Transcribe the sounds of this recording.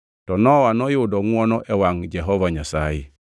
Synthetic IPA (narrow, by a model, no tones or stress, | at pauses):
tɔnɔwanɔjudɔŋwɔnɔʔɛwaŋd͡ʒɛɦɔvaɲasaji